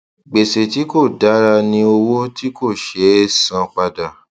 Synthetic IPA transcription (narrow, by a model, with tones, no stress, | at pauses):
ɡ͡be˨se˨ti˨˦ko˦˨da˨˦ɾa˧nĩ˧o˧wo˦ti˦ko˦˨ʃe˨˦sã˧k͡pa˧da˨